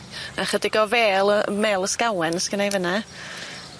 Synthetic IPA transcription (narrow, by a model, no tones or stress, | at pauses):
aχədɪɡɔveːlˠəmeːlˠəskawɛnəskənajvəna